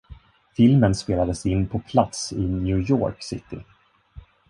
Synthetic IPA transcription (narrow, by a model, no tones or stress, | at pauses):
fɪlmənspeːlad̪əsɪnːpʰɔpʰlat̪sɪnjʉːjɔ̰ːɾksɪ̰t̪ɪ̰